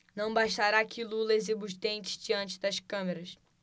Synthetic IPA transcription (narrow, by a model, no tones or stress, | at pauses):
nɐ̃w̃baʃt̪aɾakilulɐzibuʃt̪ẽnt͡ʃɪ̥zd͡ʒiɐ̃nt͡ʃɪd̪ɐʃkɐ̃meɾɐs